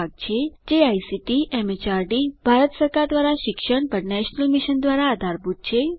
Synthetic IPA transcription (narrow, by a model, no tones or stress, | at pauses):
aɡ̚t͡ʃʰed͡ʒeajsiʈiʔɛmet͡ʃaɾɖibʱaɾət̪səɾkaɾd̪ʋaɾaʃɪkʃəɳpəɾnɛʃnəlmiʃənd̪ʋaɾaːd̪ʱaɾbut̪̚t͡ʃʰe